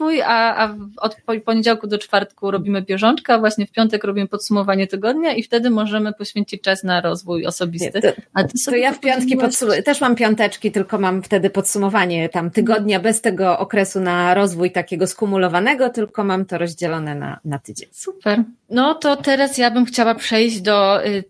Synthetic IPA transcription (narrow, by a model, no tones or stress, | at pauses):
vujaavɔt̪pɔpɔɲed͡ʑawkud̪ɔt͡ʂfaɾt̪kuɾɔbʲimɘbʲjɛʐɔnt͡ʂkavwaɕɲɛfpʲjɔnt̪ɛkɾɔbʲimɘpɔt̪sumɔvaɲɛt̪ɘɡɔd̪ɲaift̪ɛd̪ɘmɔʐɛmɘpɔɕfʲeɲt͡ɕit͡ɕ̚t͡ʂasnaɾɔzvujɔ̰sɔbʲit̪ɘat̪ɔsɔb̪ɔjafpʲjɔnt̪kʲipɔsut̪ɛʂmampʲjɔnt̪ɛt͡ʂkʲit̪ɘlkɔmamft̪ɛd̪ɘpɔt̪sumɔvaɲɛt̪amt̪ɘɡɔd̪ɲabɛst̪ɛɡɔʔɔkɾɛsunaɾɔzvujt̪akʲeɡɔskumulɔvanɛɡɔt̪ɘlkɔmamt̪ɔɾɔʑd͡ʑɛlɔnɛna̰nat̪ɘd͡ʑeɲsupɛɾ | nɔt̪ɔt̪ɛɾasjabɘmxt͡ɕawapʂɛjʑd͡ʑd̪ɔ